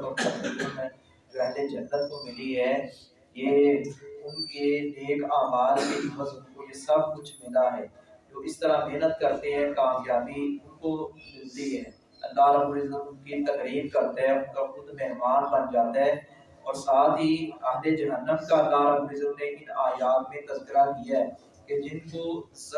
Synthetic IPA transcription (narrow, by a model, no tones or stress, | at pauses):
ɔɐbɾɪzəmɛ̃ | d͡ʒoɛɦd̪ed͡ʒɐnːət̪̚komɪliɦɛː | je | ʊnkeeːkaːmaːlkeɪməzʊnkojesɐb̚kʊt͡ʃʰmɪlaɦɛː | d͡ʒoːɪst̪əɾameɦnət̪kɐɾt̪eɦɛ̃kaːmjaːbiʊnkomɪlt̪iɦɛː | ɐ̰lːaːɾɐbʊɾɪzəmʊnkit̪ɐkɾiːbkɐɾt̪aɦɛ̃ʊnkaxʊd̪mɛɦmaːnbɐnd͡ʒaːt̪aɦɛː | ɔːɾsaːt̪ɦiɐɦled͡ʒɐɦənːəmkaɐlːaːɾɐbʊɾɪzəmneʔɪnaːjaːt̪mẽt̪ɐst̪ɪɾakijaɦɛ | ked͡ʒɪnko